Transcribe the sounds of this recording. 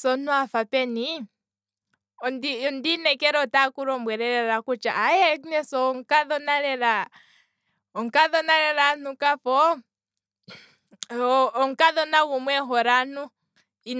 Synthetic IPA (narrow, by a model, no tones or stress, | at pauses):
sɔnuafapɛni | ɔndiɔndinɛkɛɾɔtakuɾɔmbwɛɾɛɾɛɾakut͡ʃaajɛnɛsɔŋkaðɔnaɾɛɾa | ɔŋkaðɔnaɾɛɾanukafɔ | ɔŋkaðɔnaɣumwɛɦɔɾanu | i